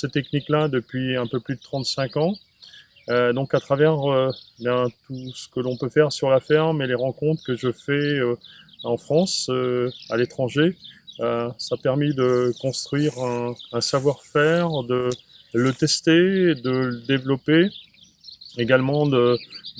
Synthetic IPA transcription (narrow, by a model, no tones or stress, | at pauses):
set̪ɛkniklad̪əpɥiɛ̃pøplyd̪ət̪χɑ̃t̪sɛ̃kɑ̃ | ød̪ɔ̃kat̪χavɛʁøbjɛ̃t̪usə̥kəlɔ̃pøfɛʁsyʁlafɛʁmeleʁɑ̃kɔ̃t̪χkəʒəfɛøɑ̃fχɑ̃søalet̪χɑ̃ʒeøsapɛʁmid̪əkɔ̃st̪χɥiʁɛ̃ːsavwaʁfɛʁd̪ə | lət̪ɛst̪ed̪ələd̪evlɔpe | eɡalmɑ̃d̪ə